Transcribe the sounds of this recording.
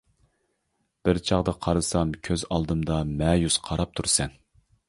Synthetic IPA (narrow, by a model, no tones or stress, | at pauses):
b̥ɪɾt͡ʃʰɑʁd̪ɑqʰɑɾɨsɑmkʲʰøzɑlˠd̪ɨmd̪ɑmɛjusqʰɑɾɑp̚t̪ʰuɾsɛn